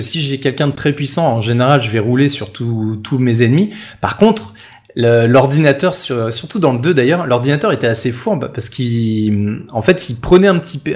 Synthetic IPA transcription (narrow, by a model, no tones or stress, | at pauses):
siʒɛkʲɛlkʲɛ̃d̪ət̪χɛpɥisɑ̃ɑ̃ʒeneʁalʒəvɛʁulesyʁt̪ʰut̪ʰumezɛnmipaʁkɔ̃t̪χ | ləlɔʁd̪inat̪œʁsyʁsyʁt̪ud̪ɑ̃ləd̪ød̪ajœʁlɔʁd̪inat̪œʁet̪ɛasefuʁbpaʁsə̥kil | ɑ̃fɛt̪ilpχənɛɛ̃pət̪ʰip